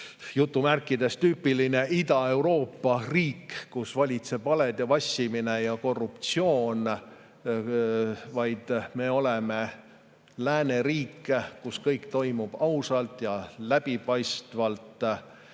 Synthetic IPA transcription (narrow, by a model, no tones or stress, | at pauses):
jut̪ːumærkːˑid̪̥e̞st̪t̪yːpːˑiline̞ʔid̪̥ɑe̞wɾo̞ːpːɑriːkːusvɑlʲit̪se̞b̥ɑled̪̥jɑvɑsʲːimine̞jɑko̞rːupt̪sio̞ːn | vɑjd̪̥me̞o̞leme̞ | læːne̞ɾiːkːkuskɤjkt̪o̞jmub̥ɑwsɑlt̪ˑjɑlæb̥ipɑjst̪vɑlt̪ˑ